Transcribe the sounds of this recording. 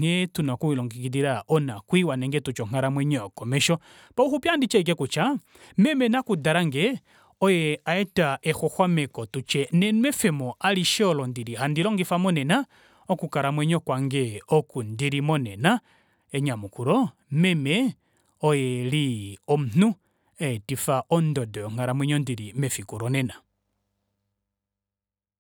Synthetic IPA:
ŋ̥ɛtunakuwilɔŋɡikidiɾaɔnakwiwanɛŋɡɛtut͡ʃɔŋ̥aɾamwɛɲɔkɔmɛʃɔ | pauxupjandit͡ʃɛik̬ɛkut͡ʃa | mɛmɛnakudaɾaŋɡɛ | ɔjɛaɛtaʔɛxɔxwamɛkɔtut͡ʃɛnɛnuɛfɛmɔaliʃɛɔlɔndiɾihandilɔŋɡifamɔnɛna | okukaɾamwɛɲɔkwaŋɡɛokundiɾimonɛna | eɲamukuɾɔ | mɛmɛ | ɔjɛliɔmun̥u | etifaʔɔndɔdɔŋ̥aɾamwɛɲɔndiɾimɛfikuɾɔnɛna

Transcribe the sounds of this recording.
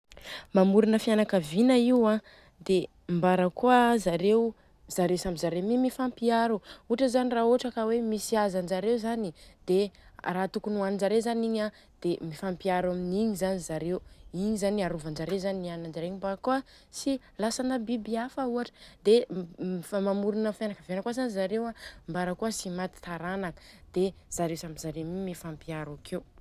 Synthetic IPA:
mamuɾunəfianakavinaiwã | d̪e | mbaɾəkuazaɾew | z̥aɾewsamizaɾemimifampiaɾuuʈ͡ʂəzaniraːoaʈ͡ʂəkawemisiazand͡ʒaɾewzanid̪̥eraːt̪ukunuanind͡ʒaɾezaniɲa | d̪̥emifampiaɾaminiɲizanizaɾewiɲizaniaɾuvand͡ʒaɾewzaninanand͡ʒaɾeɲimbakuə | si | lasanəbibiafəuaʈ͡ʂə̥d̪efamamuɾunəfenakəvenəkwazanizaɾewambaɾəkuəsimat̪i̥t̪aɾanakə̥d̪̥ez̥aɾewsamizaɾemimifampiaɾakʰew

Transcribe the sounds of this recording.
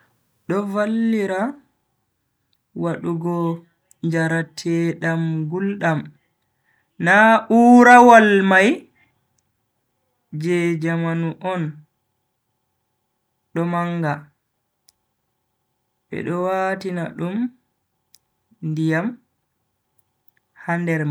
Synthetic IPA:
ɗɔvalːiɾa | waɗuɡɔ | ɲd͡ʒaɾatʰɛɗamɡulɗam | naʔuɾawalmaj | d͡ʒɛd͡ʒamanuʔɔn | ɗɔmaŋɡa | ɓɛ̰ɗɔwatinaɗum | ndijam | handɛɾma

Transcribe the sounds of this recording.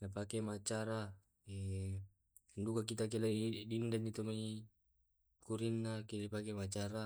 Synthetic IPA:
napakemat͡ʃaɾa | e | ndukakit̪ak̬eladindanːit̪omai | kuɾinːakelipakemat͡ʃaɾa

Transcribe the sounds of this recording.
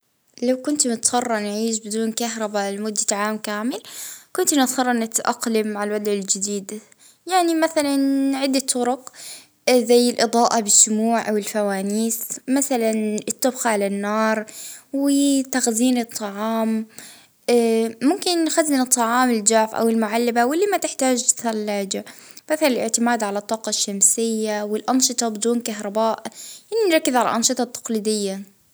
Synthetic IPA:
lawkʊnt̪mʊt̪sˤɑrˤːɑnʕiːʃ̬bɪd̪uːnkaɦɾˤɑbalmʊd̪ːat̪aʕaːmkaːmɪlkʊnt̪nɪt̪sɑrˤːɑnɪt̪ʔaqlɪmːaʕalwad̪ˤʕɪld͡ʒɪd̪iːd̪ | jaʕnimaθalanʕɪd̪ːat̪ʰːʊɾʊq | zajːɪlʔɨd̪ˤɑːʔabɪʃːʊmuːʕʔawɪlfawaːniːsmaθalanɪt̪ˤːɑbxaʕalanːɑːɾˤwɪt̪axziːnɨt̪ˤːɑʕɑːm | mʊmkɪnːxazːɪnɨt̪ˤːɑʕɑːmɪld͡ʒaʕfʔa̰wɪlmʊʕalːabawɪlːimat̪ɪħt̪aːd͡ʒt̪θalːaːd͡ʒa | m̥aθalɪlʔɪʕt̪ɪmaːd̪ʕalat̪ˤːɑːqɑʃːamsɪjːawɪlʔɑnʃɨt̪ˤɑbɪd̪uːnkaɦɾˤɑbaːʔʔanːinɾˤɑkːɪzʕala̰ʔɑnʃɨt̪ˤɑt̪ːɑ̥qliːd̪ɪjːa

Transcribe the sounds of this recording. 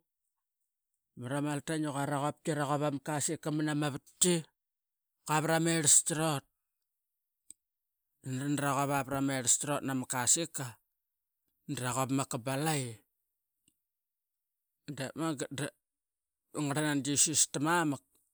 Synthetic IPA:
maɾamaltanuɣaɾaɣop̚tiɾaɣoβamakasikːamanamaβatːi | kaβɾameɾstɾot̚ | nɾandɾaɣoβapɾameɾstɾotnamakasika | ndɾaɣopmakabalaj | ndemaɡada | ŋaɾanand͡ʒisustamamak̚

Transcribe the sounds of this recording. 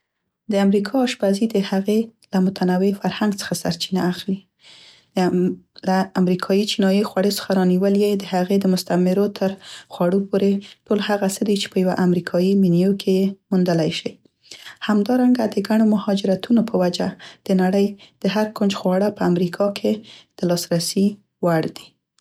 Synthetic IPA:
d̪əamɾikʰɑːʃpazid̪əhaɣelamʊt̪ʰanawefaɾhaŋɡt͡sə̥xasa̰ɾt͡ʃinaːxli | laamɾikʰɑjit͡ʃinɑjixwaɽet͡sə̥xaɾɑniwəljed̪əhaɣed̪əmʊst̪amɪɾot̪ʰəɾxwaɽopoɾeʈolhaɣasəd̪it͡ʃe̥pəjawaʔamɾikʰɑjiminijokʰejemund̪əlajʃij | hamd̪ɑɾaŋɡad̪əɡaɽ̃omʊhɑd͡ʒɪɾat̪unopʰəwad͡ʒad̪̥ənaɽəjd̪̥əɦaɾkond͡ʒxwɑɽapəamɾikʰɑkʰed̪̥əlɑsɾasi | waɽd̪i̥

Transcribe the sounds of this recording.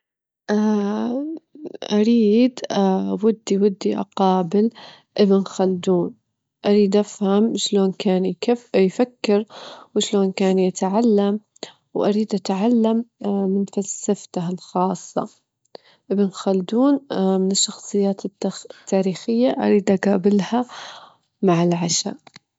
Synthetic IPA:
ʔa | ʔaɾiːd̪ʔawʊd̪ːiwɪd̪ːiʔɑ̰qɑːbɪl | ʔɪbɪnxald̪uːn | ʔaɾiːd̪ʔafhamʃloːnkaːnjkɪfjfakːɪɾwɪʃloːnkaːnjɪt̪ʕalːam | wʔaɾiːd̪ʔat̪ʕalːamːɪnfalsːaft̪ahalxɑːsˤːɑ̰ | ʔɪbnxald̪uːnmɪnɪʃːɑxsˤɨjːaːt̪ɪt̪ːaːɾiːxɪjːaʔa̰ɾiːd̪ʔaɡaːbɪlha | maʕɪlʕaʃa̰ʔ

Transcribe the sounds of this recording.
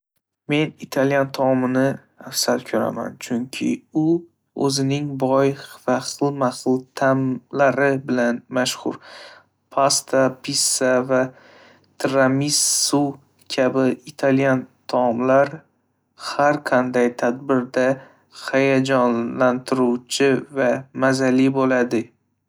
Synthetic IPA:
me̞nit̪ʰaljant̪ʰɒmɪnɪ | afsat̪kʲʰɵɾa̰ma̰nt͡ʃʰʊŋkʲʰɪ̰ʊ | ɵ̰zɪnɪŋbɒjvaχɨlˠmaχɨlˠt̪ʰamlaɾɪbɪlanmaʃhʊ̰ɾ | pʰast̪ʰapʰisːava | t̪ʰɾamisu | kʲʰabɪɪt̪ʰaljant̪ʰɒmlaɾ | haɾqʰɑnd̪ajt̪ʰad̪bɪɾd̪a | hajad͡ʒɒnlant̪ʰɪɾuwt͡ʃʰɪvamazalɪbolad̪ɪ

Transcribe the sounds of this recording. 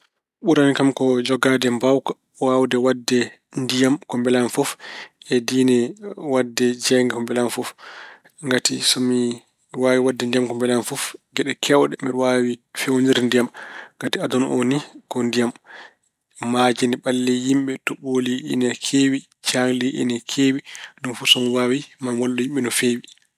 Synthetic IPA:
ɓuɾanikamkɔd͡ʒɔɡaːdɛmbawka | wawdɛwadːɛ | ndijamkɔmbɛlanfɔfɛdiːnɛwadːɛd͡ʒɛŋɡɛkɔmbɛlanfɔf | ŋɡatisɔmi | waːwiwadːɛndijamkɔmbɛlanfɔfɡɛɗɛkʰɛwɗɛmiɾwawifewniɾndijamŋɡatiadɔnʔo̰nikɔndijam | mad͡ʒɛnɛɓalːɛjimɓɛtɔɓoliḭnɛkʰeːwi | t͡ʃaŋliʔḭnɛkʰeːwinunfɔsɔmiwawimanwalːɔjimɓɛnɔfeːwi

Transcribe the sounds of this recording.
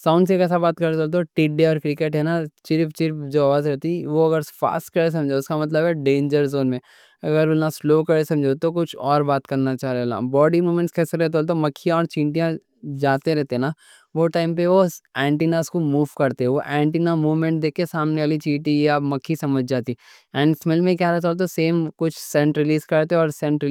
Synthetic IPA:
sãːʊ̃ɳɖsekɛːs̬abaːt̪̚kɐɾt̪olt̪̬oʈiɖeɔːɾkɾɪkeʈɦɛnat͡ʃɪɾɪpt͡ʃɪɾɪpd͡ʒoːʋaːzɾɛɦt̪iʋoɐɡəɾfa̰ːsʈ̚kɐɾes̬ɐ̃md͡ʒʱoʊskamɐt̪̬ləbɦɛɖẽːnd͡ʒəɾzoːnmẽ | ɐɡəɾʋolnasloːkɐɾesɐ̃md͡ʒʱot̪okʊt͡ʃʰɔːɾbaːt̪kɐɾnat͡ʃaːɦɾena̰bɔːɖimuːmẽɳʈskɛːseɾɛt̪̬olt̪̬omɐkʰːijãɔːɾt͡ʃĩːɳʈijã | d͡ʒaːt̪eɾɛɦt̪eɦɛna | ʋoʈaːɪmp̬eʋoɛ̃ːɳʈiːnaːskomuːʋkɐɾt̪eɦɛ̃ʋoʔɛ̃ːɳʈiːnamuːʋmẽɳʈ̚d̪eːkʰkesaːmneaːlit͡ʃiːʈijamɐkʰːisɐməd͡ʒʱd͡ʒaːt̪i | ɛːɖsmɪlmẽkjaːɾɛɦt̪oːlt̪̬oseːmkʊt͡ʃʰsɛ̃ɳʈɾɪliːskɐɾt̪eɦɛɔːɾsɛ̃ɳʈɾɪ

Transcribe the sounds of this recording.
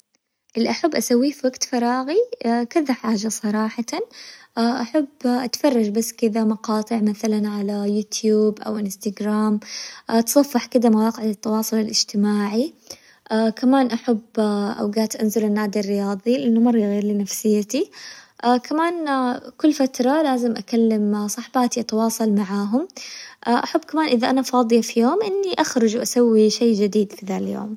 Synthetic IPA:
ʔɪlʔaħabːʔasawːifiwaɡt̪fɑɾˤɑːɣikɪd̪aħaːd͡ʒasˤɑɾˤɑːħɑʔʔaħabːʔat̪fɑrˤːɑd͡ʒbasːkɪd̪amɑqɑːt̪ˤɨʕmaθalanʕalajuːt̪ʰjuːbʔa̰wɪnst̪aɡɾaːmːt̪sˤɑfːɪħkɪd̪amawɑːqɪʕlɪt̪ːɑwɑːsˤʊlɪlʔɪd͡ʒt̪ɪmaːʕi | ʔakamaːnʔaħabːʔa̰wɡaːt̪ʔanzʊlɪnːaːd̪irːɪjɑːðˤilɪʔanːʊmɑɾˤːɑɣeːɾlinafsɪjːat̪iʔakʰamaːnkʊlːfat̪ɾˤɑlaːzɪmʔakalːamsˤɑħbaːt̪iʔat̪ɑwɑːsˤɑlmaʕaːɦʊmʔaʔaħabːkamaːnʔɪðaʔanafɑːd̪ˤɨjafijoːmʔɪnːiʔaxɾˤʊd͡ʒwʔasawːiʃeːd͡ʒɪd̪iːd̪fiðaːljo̰ːm

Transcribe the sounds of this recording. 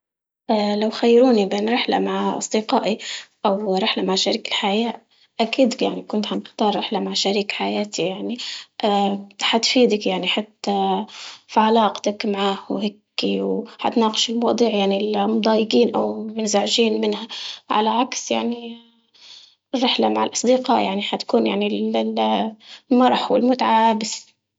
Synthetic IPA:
ʔalawxajːɾuːnibeːnɾɪħla̰maʕʔɑ̰sˤd̪iqɑːʔiʔawɾɪħlamaʕʃaɾiːkɪlħajaːʔ | ʔakiːd̪jaʕnikʊnt̪ħanɪxt̪ɑːɾˤɾɪħlamaʕʃaɾiːkħajaːt̪ʰijaʕniʔħat̪fiːd̪akjaʕniħat̪ːa | fiʕalɑːqt̪akmaʕaːhwheːkːiwħa̰t̪naːqɪʃɪlmwɑːd̪ˤiːʕjaʕnilmʊd̪ˤɑːjɪɡiːnʔa̰wmɪnzaʕʒiːnmɪnhaʕa̰laʕaksja̰ʕni | rːɪħlamaʕalʔɑsˤd̪iqɑːʔja̰ʕniħat̪ḁkuːnjaʕnil | lmɑɾˤħwɪ̰lmʊt̪aʕaːbɪs

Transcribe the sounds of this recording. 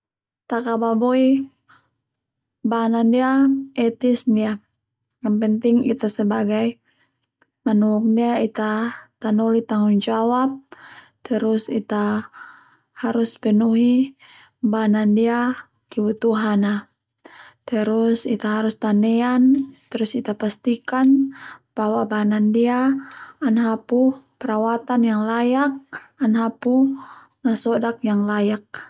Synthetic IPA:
t̪akababoi | banandiaɛt̪isdia | ɡanpɛnt̪iŋit̪asɛbaɡaj | manuuk̚ndiait̪at̪anɔlit̪aŋund͡ʒawap̚ | t̪əɾusḭt̪a | haɾuspɛnuɦi | banandia | kiwut̪uɦana | t̪ɛɾusit̪aɦaɾust̪anɛant̪ɛɾusit̪apast̪ikanb̥awabanandiaː | nɦapupɛɾawat̪anjaŋlajak̚anɦapu | nasɔdakjaŋlajak̚

